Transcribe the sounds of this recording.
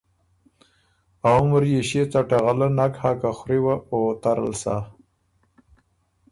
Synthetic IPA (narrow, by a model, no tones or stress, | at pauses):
aməɾjeɕet͡saʈaɣalanakhakaxɾiwaot̪aɾə̰lsa̰